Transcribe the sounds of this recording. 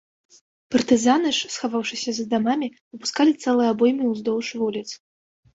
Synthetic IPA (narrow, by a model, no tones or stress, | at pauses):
pɐrt̪ɨzanɨʂsxavawʂɨsʲɐzd̪amamʲivɨpu̥skalʲit̪sɛlˠɨjɐabɔjmʲiwzd̪ɔwʂvulʲit̪s